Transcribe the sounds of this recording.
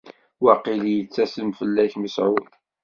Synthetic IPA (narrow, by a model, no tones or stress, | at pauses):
wɑqːiljət͡sːæsəmfəlːæçmisʕʊ